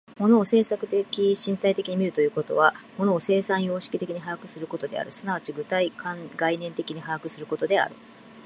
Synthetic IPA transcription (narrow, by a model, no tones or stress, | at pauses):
mo̞no̞ːse̞ːsakɯ̟̥t̪e̞kʲiɕĩnt̪ait̪e̞kʲiɲ̟imʲiɾɯ̟t̪o̞jɯ̟ːko̞t̪o̞̰βamo̞no̞ːse̞ːsãɰ̃jo̞ːɕi̥kʲi̥t̪e̞kʲiɲ̟iɦaakɯ̟sɨɾɯ̟ko̞t̪o̞d̪e̞̰a̰ɾɯ̟sɨnaβat͡ɕiɡɯ̟t̪aikãŋɡainẽ̞nt̪e̞kʲiɲ̟iɦaakɯ̟sɨɾɯ̟ko̞t̪o̞d̪e̞a̰ɾɯ̟̰